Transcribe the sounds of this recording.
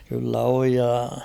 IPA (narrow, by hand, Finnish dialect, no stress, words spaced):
kylːæ oj jɑ